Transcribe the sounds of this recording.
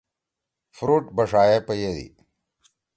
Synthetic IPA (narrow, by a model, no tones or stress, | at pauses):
fɾuːʈbɐʂaːjepɐjed̪ḭ